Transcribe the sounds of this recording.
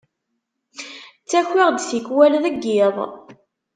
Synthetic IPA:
t͡sːæçːiʁd̪sikwælðəɡːɪðˤ

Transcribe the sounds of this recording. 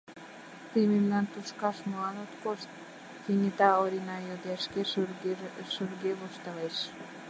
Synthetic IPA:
t̪imemnɑnt̪uʃkɑʃmoɑnot̪koʃt̪̚ | finʲit̪ɑoɾʲinɑjod̪eʃke | ʃurɡeβoʃt̪ɑleʃ

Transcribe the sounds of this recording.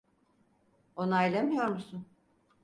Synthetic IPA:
o̞naelʲamijo̞ɾmusun

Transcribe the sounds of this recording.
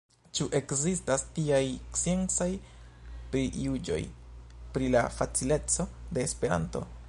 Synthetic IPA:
t͡ʃuʔe̞kzistastiajt͡sie̞nt͡saj | pɾiʔud͡ʒo̞̰jpɾila̰fat͡sile̞t͡so̞de̞ːspe̞ɾa̰nto̞̰

